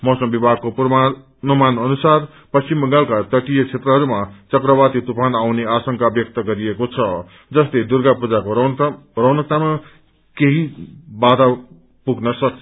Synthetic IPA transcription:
mʌsʌmbibʱaɡkopr | numanʌnusar | pʌst͡ʃimbʌŋɡalkat̪ʌʈijʌt͡sʰet̪rʌɦʌɾumat͡sʌkrʌbat̪it̪upʰanawneasʌŋkabjʌk̚t̪ʌɡʌɾiekot͡sʰʌ | d͡zʌst̪ed̪urɡapud͡zako | rʌnʌt̪ama | keɦibad̪ʱa | puɡnʌsʌk

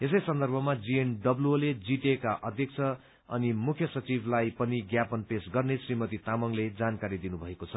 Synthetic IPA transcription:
es̬ʌjsʌnd̪ʌrbʱʌmad͡zienɖʌbloled͡ziʈekaʔʌd̪ʱjʌk̚t͡sʰʌ | ʌnimukʰjʌsʌt͡sibʱlajpʌniɡjapʌnpesɡʌrnesrimʌt̪it̪amʌŋled͡zankaɾid̪inubʱʌekot͡sʰʌ

